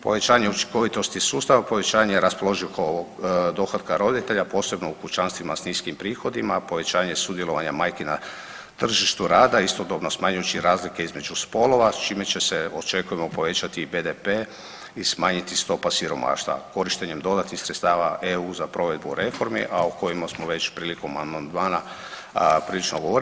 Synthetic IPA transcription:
po̞̰ʋe̞t͡ʃaːɲe̞ut͡ʃi̥ŋko̞ʋit̪o̞st̪isuːst̪aʋapo̞ʋe̞t͡ʃaːɲejɾaspo̞lˠo̞ʒikood̪o̞xad̪kaɾo̞d̪it̪e̞ʎapo̞ːse̞bno̞ukut͡ʃanst̪ʋimasniːskimpɾiːxo̞d̪imapo̞ʋe̞t͡ɕaːɲe̞sud̪jelˠo̞ʋaɲamajkena | t̪r̩ʒiʃt̪uɾaːd̪aist̪o̞d̪obno̞smaːɲujut͡ʃiɾaːzlike̞izme̞d͡ʒuspo̞lo̞ʋat͡ʃiːme̞t͡ɕe̞seo̞t͡ʃe̞kuje̞mo̞po̞ʋe̞t͡ʃat̪ibe̞d̪epe | ismaːɲit̪ist̪o̞pasiɾo̞ma̰ːʃt̪ʋa̰ko̞ɾiʃt̪e̞ɲe̞md̪o̞d̪at̪nixsɾet̪st̪aːʋaʔeuːzapɾo̞ʋe̞d̪̚buɾʔe̞fo̞ɾmḭʔauko̞jimasmoʋe̞t͡ɕpɾiːliko̞mamand̪maːna | pɾiːlit͡ʃnoɡo̞ʋoɾ

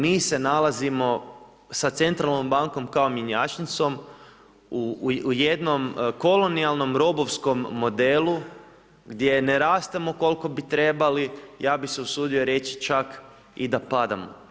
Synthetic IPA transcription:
miːse̞nalˠazimo̞ | sat̪se̞nt̪ɾalˠno̞mbaŋko̞mkaomjeɲaːt͡ʃnit̪so̞m | ujed̪no̞mko̞lo̞nialˠno̞mɾo̞bo̞ʋsko̞mːo̞d̪eːlˠu | ɡd̪je̞neɾaːst̪emo̞ko̞lˠko̞bit̪ɾe̞balijaːbise̞usuːd̪io̞ɾe̞t͡ʃi̥t͡ʃak | id̪apad̪amo̰

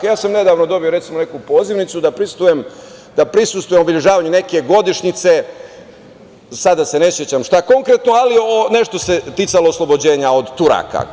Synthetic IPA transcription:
jaːsamne̞d̪aːʋnod̪o̞bijo̞ɾet̪simone̞kupo̞ːziʋnit̪sud̪apɾist̪ujem | d̪̥apɾisust̪ʋujemobiʎeʒaːʋaɲune̞ke̞ɡo̞d̪iʃɲit̪se̞ | sad̪ase̞ne̞sjet͡ɕamʃt̪ako̞ŋkɾet̪noalione̞ʃt̪o̞se̞t̪it̪saloːslˠo̞bo̞d͡ʑe̞ːɲao̞d̪t̪uɾa̰ka̰

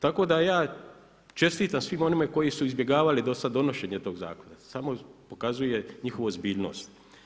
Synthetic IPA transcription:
t̪ako̞ːd̪ajaː | t͡ʃe̞st̪iːt̪amsʋimo̞nimako̞jisuizbje̞ɡaːʋalid̪o̞sad̪ːo̞noʃe̞ːɲet̪o̞ːɡza̰ːkonasamo̞po̞kazuje̞ɲixo̞ʋoozbiːʎno̰st̪

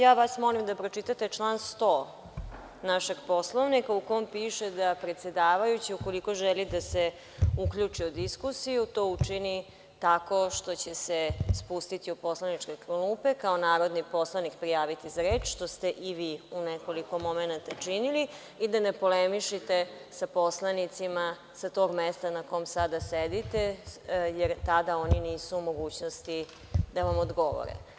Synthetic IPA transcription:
jaːʋasmo̞limd̪apɾo̞t͡ʃit̪at̪et͡ʃlˠaːnst̪o̞ː | naʃe̞ɡpo̞slˠoʋnikaukoompiːʃed̪apɾet̪se̞d̪aːʋajut͡ɕiuko̞liko̞ʒɛlid̪ase | ukʎut͡ʂiud̪iskusijut̪oːut͡ʃini | t̪ako̞ʃt̪o̞t͡ɕesespust̪it̪iupo̞slanit͡ʂkekɾluːpe̞kaonaːɾod̪nipo̞slaʋnikpɾijaːʋit̪izaɾeːt͡ʃʃt̪o̞st̪e̞ʔiʋiːuneko̞liko̞mo̞menat̪at͡ʂinili | id̪anepo̞lemiʃit̪esapo̞slˠanit̪sima | sat̪o̞ːɡmest̪anako̞jmsad̪ased̪it̪ejeɾt̪ad̪ao̞niniːsuumo̞ɡuːt͡ɕnost̪i | d̪aʋamod̪ɡo̞ʋo̰ɾḛ

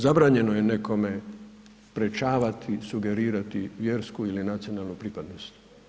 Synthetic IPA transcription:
zabɾaːɲe̞nojene̞ko̞me̞ | spɾe̞t͡ʃaːʋat̪ʰisuɡe̞ɾiːɾat̪iʋjeːɾskuilinat̪sio̞naːlˠnupɾipad̪nost̪

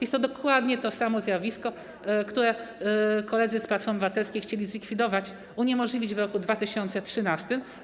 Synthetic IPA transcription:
jɛst̪ːɔd̪ɔkwad̪ɲɛt̪ɔsamɔzʲjavʲiskɔ | kt̪uɾɛ | kɔlɛd̪zɘsplat̪fɔɾmbɨvat̪ɛlskʲijxt͡ɕelʲizlʲikfʲid̪ɔvat͡ɕ | uɲɛmɔʐlʲivʲid͡ʑvɾɔkud̪vat̪ɘɕɔnt̪sɛtʂɘnast̪ɘm

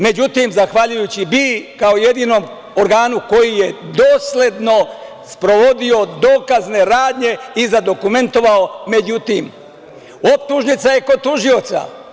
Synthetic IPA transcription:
me̞d͡ʑut̪imzaxʋaʎujut͡ɕibikaoje̞d̪iːno̞m | oɾɡaːnuko̞jije̞d̪o̞ːslʲe̞d̪no̞ | spɾo̞ʋo̞d̪io̞d̪oːkazne̞ɾaːd̪ɲe̞izad̪o̞kume̞nt̪o̞ʋaome̞d͡ʑut̪im | op̚t̪uʒnit̪sajeko̞t̪uʒio̞t̪sa̰

